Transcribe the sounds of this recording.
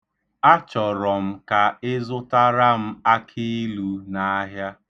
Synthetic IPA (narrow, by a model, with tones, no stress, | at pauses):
a˦t͡ʃɔ˨ɾɔ˨m̩˦ka˨ɪ˦zʊ˦ta˦ɾa˦m̩˦a˦kʰi˦i˦lu˦na˦ɦja˦